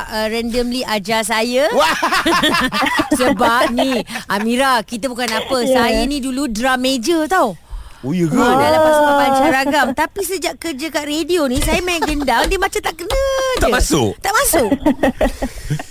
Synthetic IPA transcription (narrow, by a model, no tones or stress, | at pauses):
əɾɛndəmliad͡ʒas̬ajəwa | səbapp̚niʔamiɾakit̪əbukanapəsajanĩduludɾamed͡ʒət̪awojəɡadalamasaabaɲt͡ʃaɾaɡamt̪apisəd͡ʒaʔkərd͡ʒakaʔredionĩsajəmajaɡəndaŋdiəmat͡ʃat̪aʔkənə̃d͡ʒt̪aəmasʊ̰kt̪aʔmasʊk